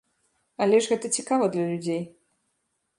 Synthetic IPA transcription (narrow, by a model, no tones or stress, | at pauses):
ɐlʲɛʐɣɛt̪ɐt͡sʲikavɐd̪lʲɐlʲud͡zʲej